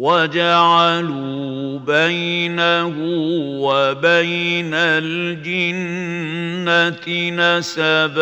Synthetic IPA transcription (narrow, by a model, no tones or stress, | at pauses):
wad͡ʒaʕaluː | bajnahʊwabajnald͡ʒɪnː | at̪nasab